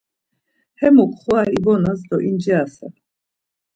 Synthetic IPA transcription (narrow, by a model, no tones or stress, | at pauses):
hɛmɔkʼχɔaɾibɔnazd̪ɔʔind͡ʒɛasa